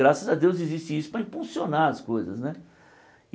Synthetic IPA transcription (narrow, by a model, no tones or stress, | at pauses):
ɾasɐzɐd̪ewzɪzist͡ʃɪisʊ̥pɾɐĩpulsionaɾɐskojzɐ̰snɛ